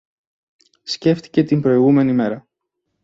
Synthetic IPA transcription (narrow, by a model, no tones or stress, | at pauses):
sce̞ft̪i̥ce̞t̪imbɾo̞iɣume̞nime̞ɾɐ